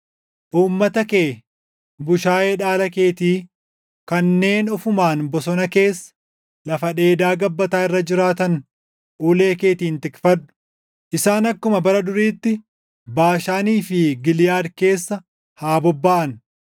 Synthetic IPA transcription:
ʔuːmːɐt̪ɐkeː | bʊʃaːjeːᶑaːlɐke̞ːt̪iː | kɐnːe̞ːnɔfʊmaːnbɔsɔnɐke̞ːsːɐ̥ | lɐfɐᶑe̞ːd̪aːɡɐbːɐt̪aːɪrːɐd͡ʒɪɾaːt̪ɐn | ʔuːle̞ːke̞ːt̪iːnt̪ɪkfɐᶑːʊ̥ | ʔɪsaːnɐkːʊmɐbɐɾɐd̪ʊɾiːt̪ːɪ | baːʃaːniːfɪɡɪlɪjaːd̪ke̞ːsːɐ | haːbɔbːaːʔɐn

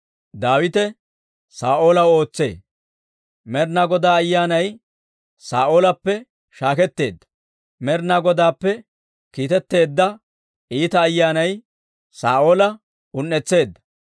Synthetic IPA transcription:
d̪aːwɪt̪ɛ | saːʔo̞ːlɐwo̞ːt͡sːe̞̰ː | mɛɾnɐɡɔd̪aːɐjːaːnɐj | saːʔo̞ːlɐpːɛ | ʃaːkɛt̪ːe̞̰ːd̪ːɐ̥ | mɛɾnɐɡɔd̪aːpːɛ | kiːt̪ɛt̪ːe̞ːd̪ːɐ | iːt̪ɐːjːaːnɐj | saːʔo̞ːlɐ | ʊnːɛt͡sːe̞ːd̪ːɐ̥

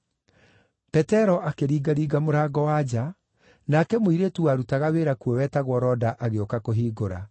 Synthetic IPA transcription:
pɛtɛɾɔʔakeɾiːɡaɾiːɡamoɾaːɡɔwad͡ʑa | nakɛmoiɾetuaɾutaɣaweɾakuɔwɛːtaɣwɔɾɔdaʔaɣeokakoɦiːɡoɾa̰

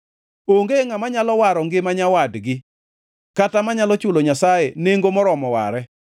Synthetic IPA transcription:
oŋɡeŋamaɲalɔwaɾɔŋɡɪmaɲawadɡɪ | katamaɲalɔt͡ʃʊloɲasajeneŋɡomɔɾɔmɔwa̰ɾɛ

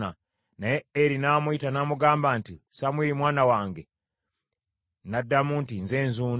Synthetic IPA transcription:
a | najeeɾinaːmuitanaːmuɡaːmbantisamwiːɾimwaːnawaːŋɡe | nadːamuntinze̞ːnzuːn

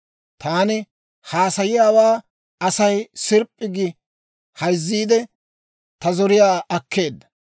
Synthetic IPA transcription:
t̪aːnɪ | haːsɐjɪjaːwaː | ɐsɐjsɪɾpʼːɪɡɪ | hɐjzːiːd̪ɛ | t̪ɐzɔɾɪjaːɐkːe̞ːd̪ːɐ̥

